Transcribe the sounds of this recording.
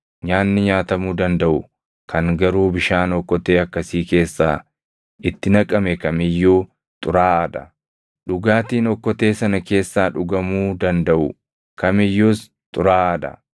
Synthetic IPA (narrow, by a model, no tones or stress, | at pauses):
ɲaːnːɪɲaːt̪ɐmuːd̪ɐnd̪ɐʔʊ | kʰɐŋɡɐɾuːbɪʃaːnɔkːɔt̪eːɐkːɐsiːke̞ːsːa̰ː | ʔɪt̪ːɪnɐkʼɐmɛkɐmɪjːuː | t̪ʼʊɾaːɐd̪ɐ | ᶑʊɡaːt̪iːnɔkːɔt̪eːsɐnɐke̞ːsːaːᶑʊɡɐmuːd̪ɐnd̪ɐʔʊ | kɐmɪjːuːs | t̪ʼʊɾaːɐd̪ɐ̰